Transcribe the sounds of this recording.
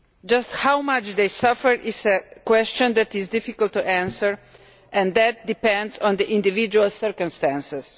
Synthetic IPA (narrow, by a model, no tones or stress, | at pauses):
d͡ʒasthawmat͡ʃd̪ejsafəɹʔɪsəkwɛst͡ʃɔ̃nd̪ætizdɪfikəlt̪ːuʔæ̃nsəɹ | ʔɛ̃nd̪æt̚d̪ipɛ̃ndzɔ̃nd̪əʔĩnd̪ivid͡ʒualsəɹkə̃mst̪æ̃nsɛs